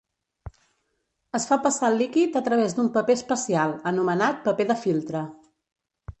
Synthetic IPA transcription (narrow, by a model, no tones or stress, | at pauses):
əsfapəsalikit̪ət̪ɾəβ̞ezd̪umpəpeəspəsialˠənumənat̪̚pəpeðəfilˠt̪ɾə